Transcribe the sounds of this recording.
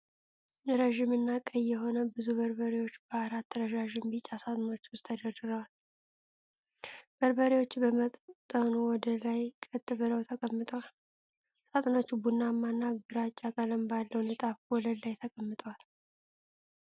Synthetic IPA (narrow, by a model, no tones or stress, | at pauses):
nɨɾəʒɪmɨnːakʼəjːɛɦo̞nəbɨzuβəɾbəɾewo̞t͡ʃːbəaɾat̪ʰːəɾəʒaʒɪmbit͡ʃʼasat̪ʼno̞t͡ʃːwʊst̪ʰːəd̪əd̪ɨɾəwal | bəɾbəɾewo̞t͡ʃːbəmət̪ʼt̪ʼənuwɔd̪əlajkʼət̪ʼːɨβɨləwt̪ʰəkʼəmːɨt̪ʼəwal | sat̪ʼnot͡ʃːubunːamːanːaɡɨɾat͡ʃʼːakʼələmbalːəwnət̪ʼafwɔləd̪lajt̪ʰəkʼəmːɨt̪ʼəwal